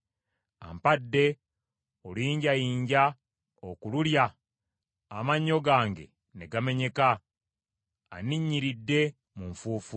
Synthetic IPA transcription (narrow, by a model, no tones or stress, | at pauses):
a̰mpadːe̞ | oliːɲɟajiːɲɟa | okululja | amaɲːo̞ɡaːŋɡe̞̰ | neɡame̞ɲe̞ka | aniɲːiɾidːe̞ | muɱfuːfu